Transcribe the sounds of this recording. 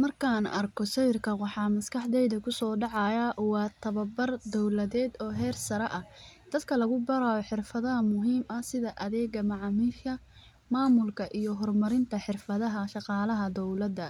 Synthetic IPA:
mɐrkʰaːnʔɐrkʰɔsɛjrkʰɐwɑħɑːmɐskʰɑħd̪ɛjðɐkʰʊsɔːɖɑʕɑjɐwɑːt̪ʰɐβɐbɐrd̪ɔwlɐðɛːd̪ɔːɦɛːrsɐɾɛʔɐd̪̥ɐd̪kʰɐlɐɣʊbɐɾaːɔħɪrfɐðɐɦɐmʊɦiːmɐsɪðɐʔɐðɛːɡɐmɑʕɑːmiːʃkʰɐ | maːmʊlkʰɐʔijɔɦɔrmɐɾɪnt̪ʰɐħɪrfɐðɐɦɐʃɑqɑːlɐɦɐd̪ɔwlɐd̪ːɐ

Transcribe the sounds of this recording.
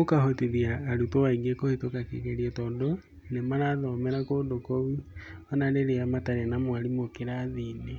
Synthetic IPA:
okahotiðiaːɾutowaiɡekohetokakḛɣeɾiɛtɔːdo | nemaɾaðɔmɛɾakodokoβiɔnaneɾeamataɾanamowaɾimokeɾaðine

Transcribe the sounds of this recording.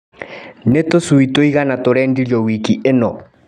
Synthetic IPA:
netosuitoiɣanatoɾɛndiɾjɔwikiʔenɔ

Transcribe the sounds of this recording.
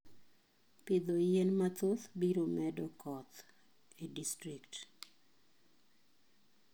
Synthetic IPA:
pɪd̪ojɛnmat̪ot̪biɾomɛdɔkɔt̪ | idistɾikt

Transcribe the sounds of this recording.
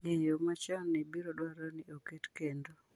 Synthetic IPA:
ɡeɲjomat͡ʃanibiɾɔdwaɾɔnioketkendo

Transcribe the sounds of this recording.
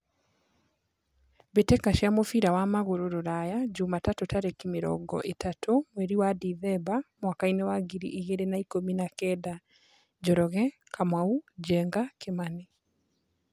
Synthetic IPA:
betɛkaʃjamofiɾawamaɣoɾoɾoɾajad͡ʑumatatotaɾekimeɾɔ̰ɡɔ̰ʔetatʰomwɛɾiwadiðɛbamwakainewaɡiɾḭʔiɣeɾenaikominakɛːda | d͡ʒɔɾɔɣɛ | kʰamaud͡ʑɛːŋɡakemane

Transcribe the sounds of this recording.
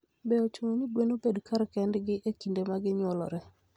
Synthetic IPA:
bɛɔt͡ʃoŋoniɡwenobedkaɾkɛndɡɪʔekindemaɡɪɲwɔlɔ̰ɾɛ

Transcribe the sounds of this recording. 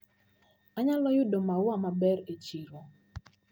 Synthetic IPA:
aɲalɔjʊdɔmawamabɛɾet͡ʃiɾo

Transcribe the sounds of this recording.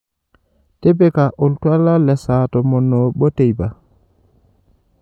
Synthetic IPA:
tɛbɛkaʔɔltwalalɛsaːtɔmɔnːɔɓɔtejba

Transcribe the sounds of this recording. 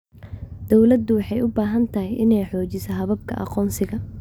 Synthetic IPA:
d̪̥ɔwlɐd̪ʊwɑħɑjʊbaːɦɐnt̪ʰɐɦɪjʔɪnɛjħɔːt͡ʃɪsɐɦɐβɐb̚kʰɐ̰ʔɑ̰qɔːnsɪɣɐ

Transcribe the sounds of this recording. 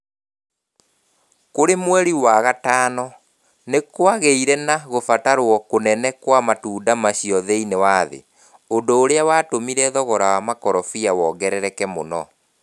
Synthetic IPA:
koɾemwɛɾiwaɣataːnɔ | nekwaɣeiɾɛnaɣofataɾwɔkonɛnɛkwamatuːndamaɕiɔðeinewaðḛ | ondoːɾeawaːtomiɾɛðɔɣɔɾawamakɔɾɔfiawɔɡɛɾɛɾɛkɛmo̰nɔ̰

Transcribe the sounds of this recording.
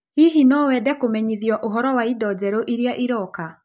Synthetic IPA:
hiɦinɔwɛdɛkomɛɲiðjɔʔoɦɔɾɔwaidɔd͡ʑɛɾoʔiɾjaʔiɾɔka

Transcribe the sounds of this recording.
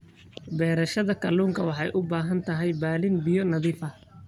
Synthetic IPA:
bɛːɾɐʃɐðɐkʰɐluːŋkʰɐwɑħɑjʔʊbaːɦɐnt̪ʰɐɦɛjbaːlɪnbɪjɔnɐðiːfɐ

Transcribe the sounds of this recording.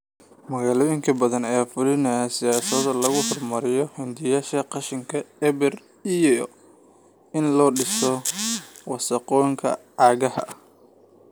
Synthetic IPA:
mɐɣaːlɔːjɪŋkʰɐbɐðɐnɛaːfʊlɪnɐsɪjaːsɐðlɐɣʊhɔrmɐɾɪjɔhɛnd̪ɪjaːʃɐqɑʃɪŋkʰɐɛβɛr | ij | ɪnlɔːɖɪsɔ | wɑsɐqɔːŋkʰɐ̰ʔaːɣɐhɐ̰

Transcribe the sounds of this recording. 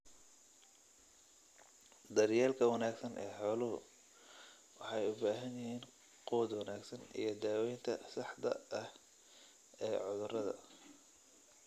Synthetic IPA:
d̪ɐrjaːlkʰɐwɐnaːɡsɐnʔɛːħɔːlʊɦʊ̰ | wɑħɑjʊbaːɦɐnjɪɦiːn | qɔːd̪wɐnaːɡsɐnḭjɞd̪aːwɛjnt̪ʰɐsɑħd̪ɐ̰ɐh | ɛːʕʊðʊɾɐðɐ̰

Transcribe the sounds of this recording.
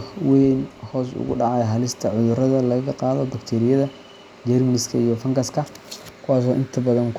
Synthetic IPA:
wɛnhɔːsʊ̰ɣʊ̰ɖɑʕɑjɦɐlɪst̪ʰɐʕʊðʊrɐðɐlɐɣɐɣɐqɑːðɔbɐkt̪ʰɛːɾɪjɐðɐ | d͡ʒɛrmɐnɪskʰɐijɔfɐŋɡɐskʰɐkʰʊwɑːs̬ɔːʔɪnt̪ʰɐbɐðɐŋk

